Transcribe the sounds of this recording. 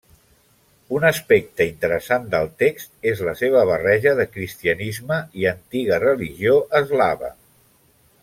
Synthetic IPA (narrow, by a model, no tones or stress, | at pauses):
unəspek̚t̪əint̪əɾəsand̪əlˠt̪ekst̪ezləseβəβ̞ərɛʒəðəkɾist̪iənizməiənt̪iɣərəliʒioʔəzlaβə̰